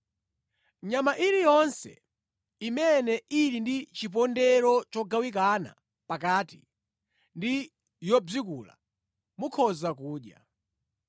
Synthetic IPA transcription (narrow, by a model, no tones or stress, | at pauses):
ɲamaʔiɾijɔnsɛ̰ | imɛnɛiɾindit͡ʃip̬ɔndɛɾɔt͡ʃɔɡawik̬ana̰ | pakaːti | ndi | jɔb͡ʐikuːla̰ | mukʰɔzakuːɗja̰